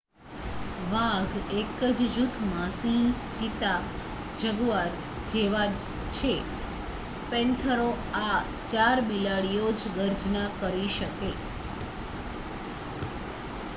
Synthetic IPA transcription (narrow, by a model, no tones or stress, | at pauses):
ʋãɡekəd͡ʒd͡ʒut̪ʰmasĩ | d͡ʒit̪a | d͡ʒəɡuaɾ | d͡ʒeʋa | t͡ʃʰe | pɛ̃nt̪ʰəɾo | a | t͡ʃaɾbilaɽijod͡ʒɡəɾd͡ʒnakəɾiʃəke